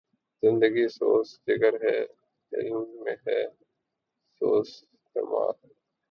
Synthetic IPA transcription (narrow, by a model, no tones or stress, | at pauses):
zɪ̃nd̪əɡiːsoːsd͡ʒɪɡəɾɦɛː | ɪ̰lmːẽːɦɛː | soːs | t̪ḛːma̰ːɾ